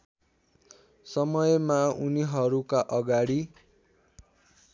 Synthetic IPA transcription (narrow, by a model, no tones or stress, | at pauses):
sʌmʌjmauniɦʌɾukaʔʌɡaɽi